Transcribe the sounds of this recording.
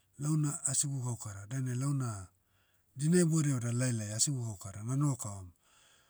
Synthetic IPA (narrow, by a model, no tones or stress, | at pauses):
lawnaːsiɡuɡawkaɾadanelawna | dinaboɾeodalajlajasibuɡawkaɾananokaom